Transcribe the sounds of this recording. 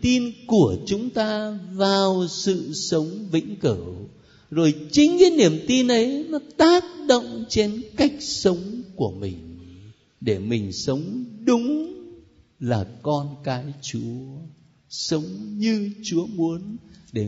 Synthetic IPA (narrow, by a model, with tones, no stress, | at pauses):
t̪i˧nku˧˩ət͡ɕʊ˨˦ŋ͡mt̪aː˧vaː˨˩wsɨ̰˧˨sə˨˦wŋ͡mvḭ˧˥ŋ̟kəː˧˩ | zo˨˩jt͡ɕï˨˦ŋ̟i˨˦ni˧˩əmt̪i˧nʔə˨˦jnɔ˨˦t̪aː˦˥k̚ɗo̰˧˨wŋ͡mt͡ɕe˧nka˦˥jk̟̚sə˨˦wŋ͡mku˧˩əmï˨˩ŋ̟ | ɗe˧˩mï˨˩ŋ̟sə˨˦wŋ͡mɗʊ˨˦ŋ͡m | laː˨˩kɔ˧nkaː˨˦jt͡ɕu˨˦ə | sə˨˦wŋ͡mɲɨ˧t͡ɕu˨˦əmu˨˦ənɗe˧˩